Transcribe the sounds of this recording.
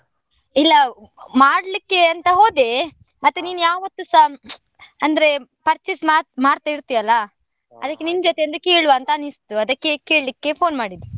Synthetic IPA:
ilːɐmaːɽlikːe̞ɐnt̪ɐɦo̞ːd̪e | mɐt̪ːeniːnujaːʋɐt̪ːusa | ɐnd̪ɐɾe̞pɐɾt͡ʃismamaːɾt̪ɐiɾt̪ijɐlːɐ | ɐd̪ɐkːenind͡ʒɔt̪eɐnd̪ukeːɭuʋaːnt̪ɐnist̪uɐd̪ɐkːe̞keːɭlikːe̞pʰo̞ːnmaːɽid̪ːu

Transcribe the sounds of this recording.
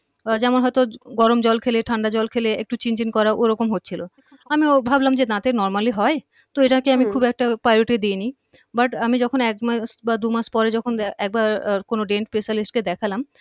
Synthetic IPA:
d͡ʑɛmonɦɔet̪oɡɔɾomd͡ʑɔlkʰeleʈʰaɳɖad͡ʑɔlkʰeleḛk̚ʈut͡ɕind͡ʑinkɔɾaʔoɾɔkomɦotːt͡ɕʰilo | amiobʱablamd͡ʑet̪ãt̪enɔɾmaliɦɔe | t̪oeʈakeamikʰubɛk̚ʈapajloʈed̪ieni | baʈamid͡ʑɔkʰonɛkmasbad̪umaʃpɔɾed͡ʑɔkʰonɛk̚baɾkonoɖeɳʈ̚pesalisʈ̚ked̪ɛkʰalam

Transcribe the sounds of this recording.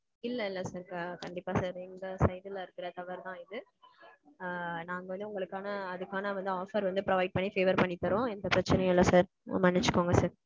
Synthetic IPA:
ɪlːɐɪlːɐsaːɾkaːkɐɳɖɪpːaːsaːɾɛnɡ̪ɐsɐɪd̪ɪlɐɪɾɯkːɪɾɐt̪ɐʋɐɾt̪ãːɪðɯ | naːŋɡɐʋɐnd̪ɯʊŋɡɐɭɯkːaːnɐːðɯkːaːnɐʋɐnd̪ɯaːfɐɾʋɐnd̪ɯpɾɔʋɐɪɖ̚pɐɳːifeːʋɐɾpɐɳːɪt̪ːɐɾõːɛnd̪ɐpɾɐt͡ʃːɪnɐjɪlːɐsaːɾ | mɐnːɪt͡ʃːɯ̥kːoːŋɡɐsaːɾ

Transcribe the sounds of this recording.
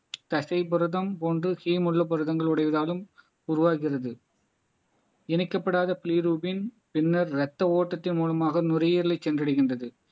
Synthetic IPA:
t̪ɐsɐɪpɔɾɯðɐmpoːndrɯhiːmʊɭːɐpɔɾɯðɐŋɡɐɭʊɽɐɪʋɐðaːlɯm | ʊɾʊʋaːɣɪɣɪrɐðɯ | ɛnɪkːɐpːɐɽaːðɐpliːɾuːbɪn | pɪnːɐɾɾɛt̪ːɐoːʈːɐt̪ːɪnmuːlɐmaːɣɐnʊrɐjiːɾɐlɐɪt͡ʃːɛndrɐɽɪɣɪndrɐðɯ

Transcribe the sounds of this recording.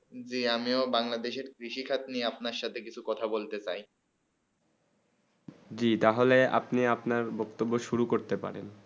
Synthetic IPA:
d͡ʑiamiobaŋlad̪eʃeɾkɾiʃikʰat̪nieapnaɾʃat̪ʰekit͡ɕʰukɔt̪ʰabolt̪et͡ɕaj | d͡ʑit̪aɦolea̰pniapnaɾbɔkt̪obːoʃuɾukoɾt̪epa̰ɾḛn

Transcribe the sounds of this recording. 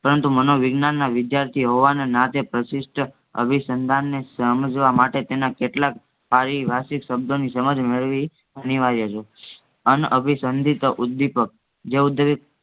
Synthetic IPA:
pəɾənt̪umənoʋɪɡnanːaʋɪd̪jaɾt̪ʰiɦoʋanenat̪epɾəsɪsʈ | ə̰bʱisənd̪ʱanːesəməd͡ʒʋamaʈet̪enakeʈlak | paɾiʋʱasikʃəb̚d̪ʱonisəməd͡ʒmeɭʋi | əniʋaɾiət͡ʃʰe | ənəbʱisənd̪ʱit̪əʔud̪ːipək̚ | d͡ʒeud̪ːepk

